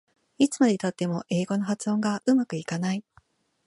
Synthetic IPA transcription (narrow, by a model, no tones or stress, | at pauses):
it͡sɨ̥mad̪et̪at̪ːe̞mo̞ʔe̞ːɡo̞no̞ɦat͡sɨõŋɡaʔɯ̟makɯ̟ikanai